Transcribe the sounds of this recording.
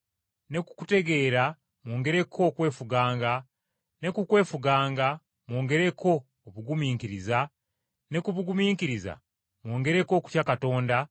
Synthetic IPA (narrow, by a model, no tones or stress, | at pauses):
ne̞ku̥ku̥te̞ɡe̞ːɾa | mwo̞ːŋɡe̞ɾe̞kʰo̞ːkwe̞ːfuɡaːŋɡa | ne̞kukwe̞ːfuɡaːŋɡa | mwo̞ːŋɡe̞ɾe̞kʰo̞ː | βuɡumiːŋkiɾiza | ne̞kuβuɡumiːŋkiɾiza̰ | mwo̞ːŋɡe̞ɾeko̞ːku̥tjakato̞ːnda